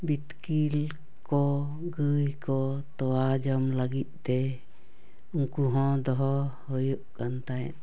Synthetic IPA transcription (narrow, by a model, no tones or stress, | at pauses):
bit̪kil | kɔ | ɡɨjkɔt̪ɔwad͡ʒɔmlaɡit̪̚ˀt̪ɛ | uŋkuɦɔ̃d̪ɔɦɔhɔjuʔkant̪ajn